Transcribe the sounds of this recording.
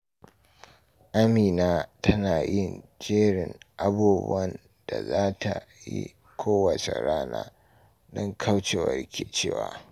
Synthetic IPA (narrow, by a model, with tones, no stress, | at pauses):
ʔa˦miː˨naː˦tɐ˦naː˨jɪ˦˨nd͡ʒeː˦ɽɪ˨ŋʔa˦buː˦bʊ̰˦ɐ˦n | d̥a˨zaː˦tʰa˨jḭ˦ | kʷʰoː˦wɐ˨t͡ʃḛ˨ɾaː˦na̰ː˦ | dɔ˦ŋkʰɐ˦wt͡ʃe˨wɐ̰˨rkʲe˨t͡ʃeː˦˨wa̰ː˨